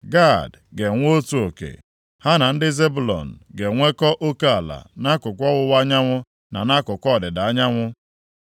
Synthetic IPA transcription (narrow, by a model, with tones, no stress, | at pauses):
ɡa˦˨d | ɡe˨ŋʷ˦o˦tu˨o˨kḛ˨ | ha˦na˨n̩˦dɪ˦ze˦bu˨lɔ̰˨n̩˨ɡe˨ŋʷe˦kɔ˦ʔo˦ka˦a˨la̰˨na˦kʊ˨kʷɔ˦wʊ˦wa˦ɲa˦ŋʷʊ˦ | na˨na˦kʊ˨kʷɔ˦˨dɪ˨da˨a˦ɲa˦ŋʷʊ˦